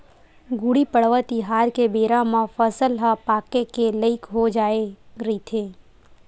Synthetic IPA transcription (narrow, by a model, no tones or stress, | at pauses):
ɡʊɽipəɽʋət̪iɦaːɾkebeːɾãmãfəsəlɦapaːkekeləɪkɦod͡ʒaːeɾəit̪ʰeː